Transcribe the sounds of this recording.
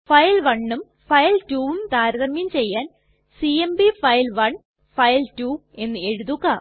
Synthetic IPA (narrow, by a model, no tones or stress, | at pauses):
fɐjlʋɐɳːum | fɐjltuːʋumt̪aːɾɐðɐmimt͡ɕe̞jːaːn | siembifɐjlʋɐɳ | fɐjltuːe̞nːɨe̞ɻuðukːaː